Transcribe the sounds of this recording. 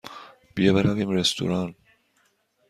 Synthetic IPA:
b̥ijebeɾæviːmɾest̪ṵɾɑːn

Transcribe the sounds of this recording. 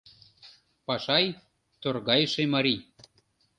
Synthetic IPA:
pɑʃɑj | t̪orɣɑjʃemɑɾi

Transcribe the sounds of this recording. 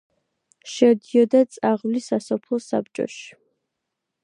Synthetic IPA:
ʃɛd̪iɔd̪at̪sʼaʁvlisasɔpʰlˠɔsa̰p̚t͡ʃʼɔ̰ʃi̥

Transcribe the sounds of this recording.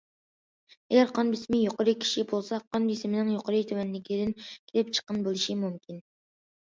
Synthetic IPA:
ɛɡʲɛɾqʰɑnbismɪjoqoɾɨkʲʰi̥ʃibolˠsɑqʰɑnbisɪmɪnɪŋjoqʰəɾɨt̪ʰywɛnlɪkʲʰid̪ɪnkʲʰelɪp̚t͡ʃʰə̥qːənbɨlˠɪʃimymkʲʰin

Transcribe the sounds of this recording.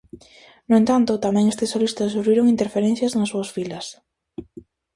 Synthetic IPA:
noʊẽnt̪ant̪ʊt̪amɛ̃ŋest̪esolist̪ɐssuɾβiɾoŋint̪eɾfeɾɛnθjɐznɐsuɐsfilɐs

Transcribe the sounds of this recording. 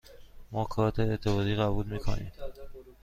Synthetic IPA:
mɒːkʰɒːt̪ʰeːt̪ʰːebɒːd̪iːɣæbuːlmiːkʰo̰nḭːm

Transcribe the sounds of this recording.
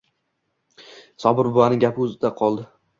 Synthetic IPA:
sɒbɪɾbʊanɪŋɡʲapʰɪɵzɪd̪aqʰɒlˠd̪ɪ

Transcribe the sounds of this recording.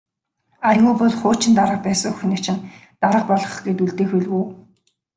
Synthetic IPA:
ajʊːpɔɮχʊːt͡ɕɪ̆nt̪aɾə̆q̚pæːsə̆ŋuxnet͡ɕɪ̆n | t̪aɾə̆q̚pɔɮɞ̆χɡet̪uɮt̪eːxuɮuː

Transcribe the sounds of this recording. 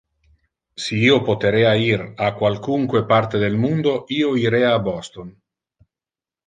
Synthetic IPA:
siiopot̪eɾeaiɾakwalkuŋkwepart̪ed̪elmund̪oioiɾeaːbɔst̪on

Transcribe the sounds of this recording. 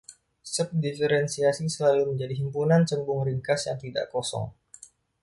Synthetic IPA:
səp̚difəɾɛnsiasisəlaluməɲd͡ʒadiɦimpunant͡ʃəmbʊŋɾiŋkasjaŋt̪ida̰ʔkosɔ̰ŋ

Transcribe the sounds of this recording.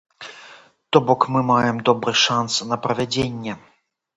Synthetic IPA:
t̪ɔbɔkmɨmajɛmd̪ɔbɾɨʂansnɐpɾɐvʲad͡zʲenʲːɛ

